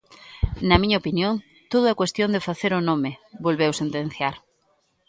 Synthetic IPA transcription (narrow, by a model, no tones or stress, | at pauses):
nɐmĩɲɐopinjoŋ | t̪oð̞ʊakwest̪jond̪efaθeɾʊnomɪbolβewsent̪ẽn̟θjaɾ